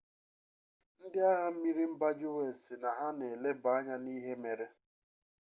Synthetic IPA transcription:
n̩˦dɪ˦a˦ɦa˦m̩˦mi˦ɾi˦m̩˦ba˦d͡ʒɪ˦we˦˨sɪ˨na˨ɦa˦ne˨le˦ba˨˦a˦ɲa˦niː˦ɦe˦me˨ɾe˦

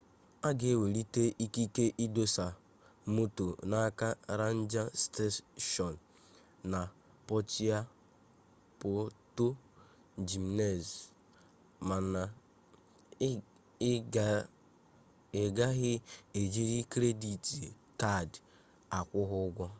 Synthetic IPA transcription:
a˦ɡe˨e˦˨we˨ɾi˦te˦ʔi˦ki˦ke˦ʔi˦do˦sa˨˦ | mo˦to˨na˦ka˦ɾa˦n̩˦d͡ʒa˦ste˦ʃɔ˨n̩ː˨ | a˨ | pɔ˦t͡ʃi˦a˦ | po˦to˦ | d͡ʒi˨m˦ne˦˨z | ma˨na˨ | e˨ɡa˦ɣɪ˦e˨d͡ʒi˦ɾi˦kɾe˦di˨ti˨ | ta˦˨d | a˨kʷʊ˦ɦʊ˦ɡʷɔ˦

